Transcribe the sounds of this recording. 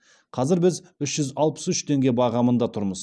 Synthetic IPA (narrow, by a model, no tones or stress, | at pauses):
qʰɑzɪɾbɪzʏʃʒ̥ʏzɑlˠpə̥sʏʃt̪ʰe̞ŋɡʲe̞bɑʁɑmənd̪ɑt̪ʰʊɾməz